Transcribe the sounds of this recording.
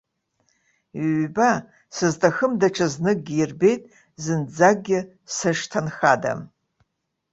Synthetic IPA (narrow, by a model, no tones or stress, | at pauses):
ɥba | sɨztʰʼaxəmdaʈ͡ʂʰaznɨk̚ɡʲiirbe̞jtʼ | zɨnd͡zaɡ̚ɡʲɪ | sɨʂtʰanxada̰m